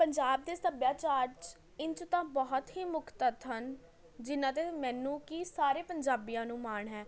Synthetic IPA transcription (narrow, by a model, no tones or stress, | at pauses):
pəɲd͡ʒaːb̚d̪eːsəbjaːt͡ʃaːɾt͡ʃ | ɪnt͡ʃt̪ãːbɔɦt̪ɦiːmʊkʰt̪ət̪ɦən | d͡ʒɪnãːt̪̬eːmɛ̃ːnũːkiːsaːɾeːpəɲd͡ʒaːbijãːnũːmaːɳɦɛː